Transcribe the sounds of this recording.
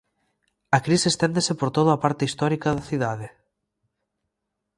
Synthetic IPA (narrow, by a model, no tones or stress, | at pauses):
ɐkɾisest̪end̪esepoɾt̪oð̞oapaɾt̪eist̪ɔɾikaðɐθiðaðe